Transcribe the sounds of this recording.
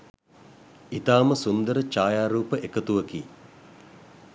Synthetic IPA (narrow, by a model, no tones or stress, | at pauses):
it̪aːməsund̪əɾət͡ʃaːjaːɾuːpəʔekət̪uʋəkiː